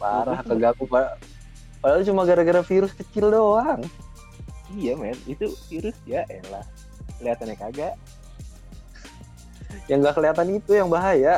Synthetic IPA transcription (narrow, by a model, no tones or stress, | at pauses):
paɾaɦakəɡakupa | padalut͡ʃumaɡaɾaɡəɾafiɾʊskət͡ʃɪldoaŋ | ijamɛnit̪ufiɾʊsd͡ʒaʔɛlah | kəliat̪anɲakaɡaʔ | jaŋɡaʔkəliat̪anit̪ujaŋbaɦaja